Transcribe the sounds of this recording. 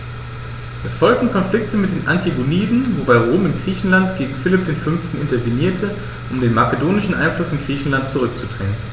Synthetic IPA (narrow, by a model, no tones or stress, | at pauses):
ʔɛsfɔlk̚tn̩kʰɔnflɪk̚təmɪt̚d̥eːnʔantiɡuniːdn̩vobaɪʁ̞oːmɪmɡʁiːçn̩lantɡ̥eːɡŋ̩fɪlɪp̚d̥eːnfʏnftn̩ʔɪ̰ntɐveniːɐtʰə | ʔʊmdeːnmakədoːnɪʃn̩ʔa̰ɪnflʊsɪnɡʁiːçn̩lant̚t͡suʁʏk̚t͡sudʁɛŋən